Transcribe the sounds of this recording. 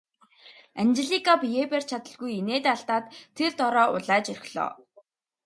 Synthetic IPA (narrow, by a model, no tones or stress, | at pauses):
ænt͡ɕɪ̆ɮikapjeper̥t͡ɕʰat̪ə̆ɮɣujeneːt̪aɬt̪aːt̪ʰːert̪ɔɾɔːʊ̰ɮaːt͡ɕɵr̆xʲɮ̥ɔ̰ː